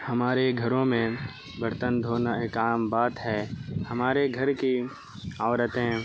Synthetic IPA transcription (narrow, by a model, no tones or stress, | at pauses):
hɐmaːɾeɡʱɐɾõmẽ | bəɾt̪ənd̪ʱoːnaekaːmbaːt̪ɦɛːhɐmaːɾeɡʱɐɾki | aːʋɾət̪ɦɛ̃